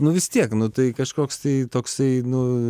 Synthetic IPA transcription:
nʊʋʲɪst̪ʲiɛknʊt̪ɐɪkɐʃkoːkst̪ɐɪt̪oːksɐɪnʊ

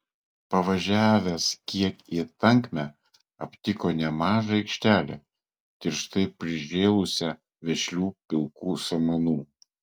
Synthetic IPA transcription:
pɐʋɐʒʲæːʋʲɛskʲiɛkit̪ɐŋʲkmʲæ | ɐpʲt̪ʲɪkoːnʲɛmɑːʒɐɛɪkʃʲt̪ʲæːlʲɛ̰ː | t̪ʲɪɾʃt̪ɐɪpʲɾʲɪʒʲeːlˠʊsʲɛ | ʋʲɛʃʲlʲuːpʲɪlˠkuːsɐmɐnuː

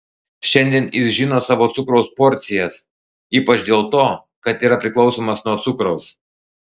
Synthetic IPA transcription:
ʃʲɛnʲd̪ʲiɛnɪsʒʲɪnoːsɑːʋoːt̪sʊkɾɐʊspɔɾʲt̪sʲɪjɛs | iːpɐt͡ʃd̪ʲeːlˠt̪oː | kɐt̪iːɾɐpʲɾʲɪklˠɒʊsoːmɐsnuɔt̪sʊkɾɐʊs

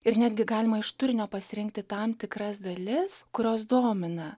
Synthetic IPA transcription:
ɪɾnʲæːd̪ʲɡʲɪɡɑːlʲɪmɐɪʃt̪ʊɾʲɪnʲoːpɐsʲɪɾʲɪŋk̚t̪ʲɪt̪ɐmt̪ʲɪkɾɐsd̪ɐlʲɪskʊɾʲoːs̬d̪oːmʲɪnɐ

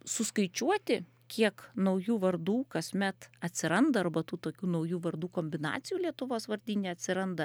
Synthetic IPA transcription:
sʊskɐɪt͡ʃʲuɔt̪ʲɪ | kʲiɛknɐʊjuːʋɐrd̪uːkɐsʲmʲɛt̪ɐt̪ʲsʲɪɾɐnd̪ɐɐrbɐt̪uːt̪oːkʲuːnɐʊjuːʋɐrd̪uːkoːmʲbʲɪnɑ̰ːt̪sʲɪjuːlʲiɛt̪ʊʋoːsʋɐɾʲd̪ʲiːnʲeːɐt̪ʲsʲɪɾɐnd̪ɐ

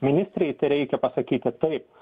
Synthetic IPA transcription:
mʲɪnʲɪst̪ʲɾʲɛɪt̪ɐɪɾʲɛɪkʲɛpɐsɐkʲiːt̪ʲɪt̪ɐɪp̚

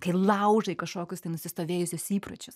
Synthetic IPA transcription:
kɐɪlˠɐʊʒɐɪkɐʃkoːkʲʊst̪ɐɪnʊsʲɪst̪oːʋʲeːjʊsʲoːsiːpɾɐt͡ʃʲʊs

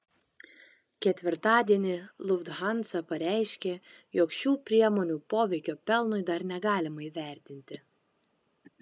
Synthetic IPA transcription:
kʲɛt̪ʲʋʲɪɾt̪ɑːd̪ʲiɛnʲɪlˠʊʋd̪ɣɑnt̪sɐpɐɾʲæˑɪʃʲkʲe | joːkʃʲuːpʲɾʲiɛmoːnʲuːpoːʋʲɛɪkʲoːpʲɛlˠnʊɪd̪ɐɾnʲɛɡɑːlʲɪmɐiʋʲæˑɾʲt̪ʲɪnʲt̪ʲɪ

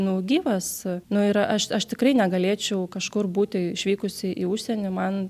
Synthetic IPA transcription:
nʊɡʲiːʋɐsnʊɪɾɐʃɐʃt̪ʲɪkɾɐɪnʲɛɡɐlʲeːt͡ʃʲɛʊkɐʃkʊrbuːt̪ʲɪɪʃʲʋʲiːkʊsʲɪʔiːʊʃʲsʲɛnʲɪmɐn

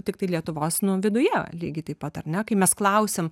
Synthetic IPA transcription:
t̪ʲɪk̚t̪ɐɪlʲiɛt̪ʊʋoːsnʊʋʲɪd̪ʊjɛlʲiːɡʲɪt̪ɐɪpɐt̪ɐrnʲɛkɐɪmʲɛsklˠɐʊsʲem

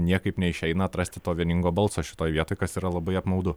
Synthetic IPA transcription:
nʲiɛkɐɪpnʲɛɪʃʲɛɪnɐɐt̪ɾɐsʲt̪ʲɪt̪oːʋʲiɛnʲɪŋɡoːbɐlˠsoːʃʲɪt̪oːjʋʲiɛt̪oːjkɐsiːɾɐlˠɐbɐɪɐpmɐʊd̪ʊ

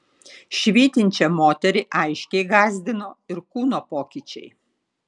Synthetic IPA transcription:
ʃʲʋʲiːt̪ʲɪnʲt͡ʃʲɛmoːt̪ʲɛɾʲɪʔɐɪʃʲkʲɛɪɡɑːzʲd̪ʲɪnoːɪɾkuːnoːpoːkʲɪt͡ʃʲɛ̰ɪ

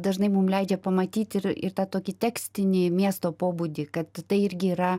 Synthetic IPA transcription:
d̪ɐʒnɐɪmʊmlʲɛɪd͡ʒʲɛpɐmɐt̪ʲiːt̪ʲɪɾɪ̰rt̪ɑːt̪oːkʲɪt̪ʲæːksʲt̪ʲɪnʲɪmʲiɛst̪oːpoːbud̪ʲɪkɐt̪tɐɪɪɾʲɡʲɪiːɾɐ

